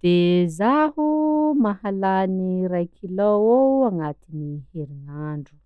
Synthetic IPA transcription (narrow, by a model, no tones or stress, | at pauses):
d̪̥ezahumahalaniɾajkʰilowoaŋat̪iniheɾinaɳɖ͡ʐu̥